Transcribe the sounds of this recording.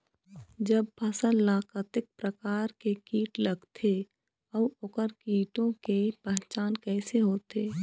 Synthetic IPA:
d͡ʒəb̚pʰəsəllaːkət̪ɪk̚pɾəkaːɾkekiːʈlɐɡt̪ʰe | ɔːʊkəɾkiːʈõkepɛ̃ɦt͡ʃaːnkɛːseɦoːt̪eː

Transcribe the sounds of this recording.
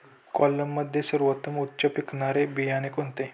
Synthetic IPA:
kɔlːəmːəd̪ʱjesəɾʋət̪əmut̪ːt͡ɕəpiknaɾebijanekont̪e

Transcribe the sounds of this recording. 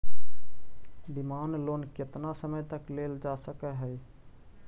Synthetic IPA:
bimanlonket̪nasəməjt̪əkleld͡ʒasəkɛɦəj

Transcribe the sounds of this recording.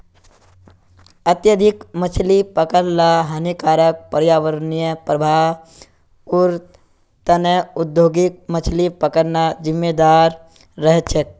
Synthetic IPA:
ət̪jəd̪ʱikmət͡ʃʰlipəkəllaɦɐnikaːɾək̚pəɾjaːʋəɾnijəpɾəbʱa | uɾ | t̪əneʊd̪joːɡik̚mət͡ʃʰlipəkəɾnad͡ʒɪmːed̪aːɾː | əɦett͡ʃʰek̚

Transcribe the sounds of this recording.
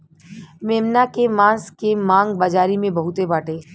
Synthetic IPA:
meːmnakemãːskemãːŋɡbaːd͡ʒaːɾimẽbɐɦʊt̪ebaːʈʰeː

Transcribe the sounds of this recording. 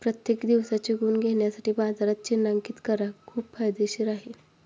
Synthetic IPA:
pɾət̪jekd̪iʋsat͡ɕeɡuːnɡʱeɳjasaʈʰibad͡zaɾat̪̚t͡ɕenaŋkit̪kəɾakʰuːb̚pʰajd̪eɕiɾaɦe

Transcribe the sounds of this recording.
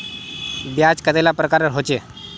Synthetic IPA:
bjad͡zkəelapɾəkaɾəɾɦot͡ɕe

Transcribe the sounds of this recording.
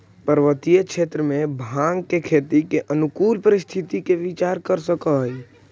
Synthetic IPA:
pəɾʋət̪ijəkʰet̪ɾəmẽbʱãŋɡkekʰet̪ikeʔənukulpəɾist̪ʰit̪ikeʋit͡ʃaɾkəɾsəkəɦəj

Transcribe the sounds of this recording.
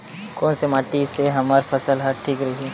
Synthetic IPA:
koːnsemaːʈiseɦɐmaːɾpʰɐsəlɦaʈʰiːkɾɐɦi

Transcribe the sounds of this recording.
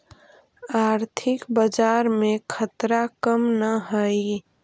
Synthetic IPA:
aɾt̪ʰɪkbəd͡ʒaɾmẽkʰət̪ɾakəmnəɦəi

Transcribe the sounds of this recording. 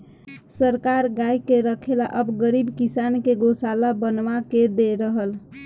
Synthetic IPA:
səɾkaɾɡajkeɾəkʰelaʔəbɡəɾibkisankeɡosalabənʋaked̪eɾəɦəl

